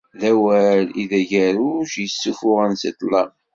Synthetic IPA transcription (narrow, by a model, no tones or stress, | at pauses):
ðæwæliðæʝæɾuʃjəsːufʊʁænsit̪ˤlˤɑ̰m